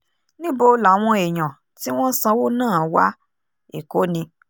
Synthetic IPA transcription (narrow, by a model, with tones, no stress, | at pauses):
nĩ˦bo˧la˨˦w̃ɔ̃˧e˨j̃ã˨ | ti˦w̃ɔ̃˦sã˧wo˦nãː˦˨wa̰˦ | ḛ˨ko˨˦nĩ˧